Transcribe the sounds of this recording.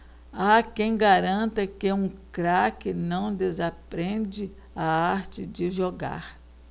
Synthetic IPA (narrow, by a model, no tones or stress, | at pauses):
akẽj̃ɡaɾɐ̃nt̪ɐkeũkɾakɪnɐ̃w̃d̪ezapɾẽd͡ʒɪ | aaɾt͡ʃɪd͡ʒɪʒoɡa̰ɾ